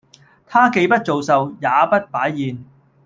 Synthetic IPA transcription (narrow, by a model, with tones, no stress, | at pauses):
t̪ʰaː˥ke˧jpɐ˥t̚t͡so˨wsɐ˨wjaː˨˧pɐ˥t̚paː˨˥jːiː˨n